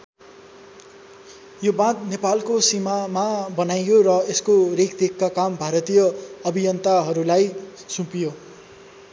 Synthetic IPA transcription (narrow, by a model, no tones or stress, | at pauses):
jobãt̪̚nepalkosimamabʌnajorʌeskorekd̪ekːakambʱaɾʌt̪ijʌʌbʱijʌnt̪aɦʌɾulajsũpijo